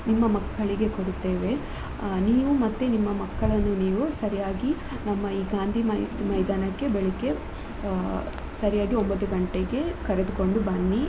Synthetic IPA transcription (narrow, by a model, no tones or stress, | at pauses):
nimːɐmɐkːɐɭiɡe̞ko̞ɽit̪ːeːʋe̞ | niːʋumɐt̪ːenimːɐmɐkːɐɭɐnːuniːʋusɐɾijaːɡi | nɐmːɐiːɡaːnd̪ʱimɐmɐjd̪aːnɐkːe̞beɭikːe̞ | sɐɾijaːɡio̞mbɐt̪ːuɡɐɳʈeɡe̞kɐɾed̪uko̞ɳɖubɐnːi